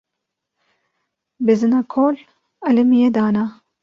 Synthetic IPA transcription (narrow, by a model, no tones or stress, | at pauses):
bezɨnaːkʰoːl | ɐlemijed̪aːna